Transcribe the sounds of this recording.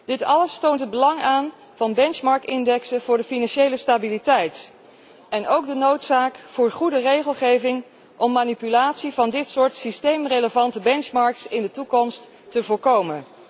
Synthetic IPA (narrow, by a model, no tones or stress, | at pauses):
d̥ɪtɑləstowntɦəd̚bəlɑŋaːn | v̥ɑnbɛnt͡ʃmɑɹktɪndɛksəvʊːɹdəfinɑnʃejləstabilitɛjt | ɛnowk̚dənowtsaːkfʊːɹχudərejχəlˠχejvɪŋ | ʔɔmːaːnipylaːtsivɑndɪtsʊːɹtsistejmreləvɑntəbɛnt͡ʃmɑɹksɪndətukɔmstː | əvʊːɹkowmən